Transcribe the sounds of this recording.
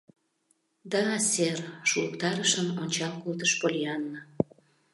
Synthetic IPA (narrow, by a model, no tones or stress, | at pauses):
d̪ɑːserʃuəkt̪ɑɾəʃəmonʲt͡ɕɑlkult̪əʃpolʲiɑnːɤ